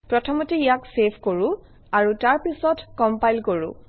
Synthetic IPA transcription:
pɹɔtʰɔmɔteijaksepʰkoɹʊ̃ | aɹutaɹpisɔtkɔmpajlkoɹʊ̰̃

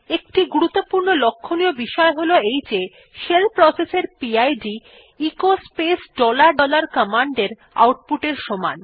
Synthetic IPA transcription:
ek̚ʈiɡuɾut̪ːopuɾnolokʰːonijobiʃɔeɦoloejd͡ʑe | ʃelpɾɔseseɾpiajɖi | ikospesɖɔlaɾɖɔlaɾkəmaɳɖeɾ | a̰wʈ̚puʈeɾʃɔma̰n

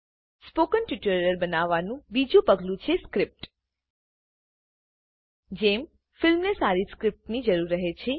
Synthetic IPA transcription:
spokənʈɪʈəɾəɾbənaʋːanũbid͡ʒũpəɡlũt͡ʃʰeskɾɪp̚ʈ | d͡ʒem | fɪlmnesaɾiskɾɪp̚ʈnid͡ʒəɾuɾːəɦet͡ʃʰe

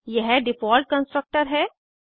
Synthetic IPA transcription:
jɛɦɖɪfɔːlʈ̚kə̃nsʈɾək̚ʈəɾɦɛː

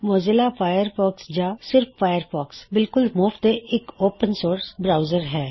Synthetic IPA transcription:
mɔːzɪlafaːjəɾfɔːksd͡ʒaːsɪɾfːaːjəɾfɔːksbɪlkʊlmʊːfd̪eɪkoːpənsoːɾsbɾaːʊzəɾɦɛː

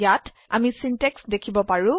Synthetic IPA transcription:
jat | a̰misinteksdekʰibɔpaɹũ

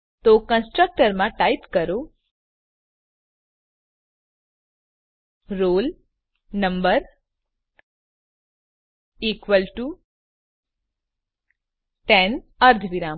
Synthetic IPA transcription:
t̪okə̃nsʈɾək̚ʈəɾmãʈajipkəɾo | ɾol | nəmbəɾ | ikʋəlʈu | ʈɛnəɾd̪ʱʋiɾa

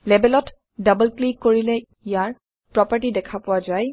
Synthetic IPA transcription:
lɛbɛlɔt | dabəlklikːoɹilɛ | ijaɹ | pɹɔpəɹʈidɛkʰapɔwazaj

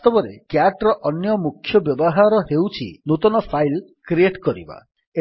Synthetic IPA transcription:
t̪ɔbɔɾekjaʈɾɔʔɔnjɔmukʰːjɔbjɔbɔɦaɾɔɦewt͡ʃʰḭnut̪ɔnɔpʰajlkɾieʈkɔɾḭba̰ | e

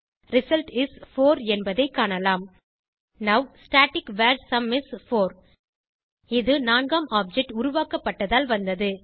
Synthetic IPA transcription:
ɾɪsɐlʈɪsfoːɾɛnbɐðɐɪkːaːɳɐlaːm | nɐʋsʈaːʈɪkʋaːɾsɐmɪsfoːɾ | ɪðɯnaːnɡaːmʔaːp̚d͡ʒɛk̚ʈʊɾʊʋaːkɐpːɐʈːɐðaːlʋɐnd̪ɐðɯ

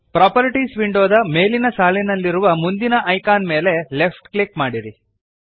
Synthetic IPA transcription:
pɾaːpɐɾiʈiːsʋiɳɖoːd̪ɐme̞ːlinɐsaːlinɐlːiɾuʋɐmund̪inɐʔɐjkaːnme̞ːle̞le̞pʰʈklikmaːɽiɾi

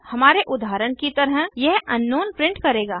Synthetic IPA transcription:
hɐmaːɾeʔʊd̪ʱaːɾəɽ̃kit̪ɐɾɦjɛɦɐnːoːnpɾɪ̃ɳʈkɐɾeːɡaː

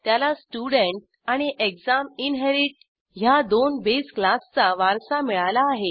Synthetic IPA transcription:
t̪jalasʈuɽəɳʈ̚ | aɽ̃iʔekd͡zaminɦeɾiʈ̚ | ɦjad̪onbesklast͡saʋaɾsamiɭalaːɦe

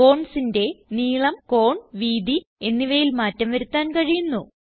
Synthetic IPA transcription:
o̞ːɳsinde̞niːɭɐmko̞ːɳʋiːd̪i | enːiʋɐjilmaːtːɐmʋɐɾut̪ːaːnkɐɻijunːu

